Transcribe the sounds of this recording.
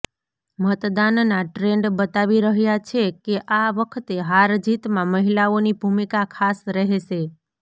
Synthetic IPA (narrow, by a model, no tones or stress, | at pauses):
mət̪d̪annːaʈɾeɳɖbət̪aʋiɾəɦjat͡ʃʰekeʔaʋəkʰət̪eɦaɾd͡ʒit̪mãməɦilaonibʱumikakʰasɾəɦeʃe